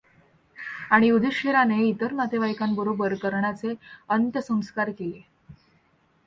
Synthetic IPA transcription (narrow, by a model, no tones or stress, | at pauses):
aɽ̃iud̪iɕeɾaneit̪əɾnat̪ebajkambəɾobəɾkəɾɳjat͡seənt̪jəsə̃w̃skaɾkele